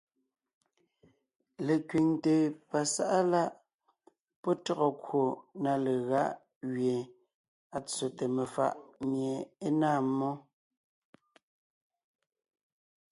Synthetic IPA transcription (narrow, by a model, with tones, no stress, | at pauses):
le˨kɥi˨ŋte˨pa˨sa˦ʔa˦la˦ʔ | pɔ˦tɔ˦ɣɔ˨kwo˨na˨le˨ɣa˦ʔ | ɣɥe˨ | a˨t͡so˨te˨me˨fa̰˦˨ʔmje˨e˦naː˦˨˦mːɔ˦